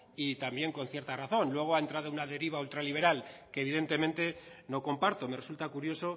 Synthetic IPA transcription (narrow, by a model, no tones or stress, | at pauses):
it̪ambje̞ŋko̞n̟θje̞ɾt̪araθo̞nlwe̞ɣ̞oae̞nt̪ɾaðounaðe̞ɾiβ̞ault̪ɾaliβ̞e̞ɾalke̞ːβ̞iðe̞nt̪e̞mẽnt̪e̞no̞ko̞mpaɾt̪o̞me̞re̞sult̪akuɾjo̞so̞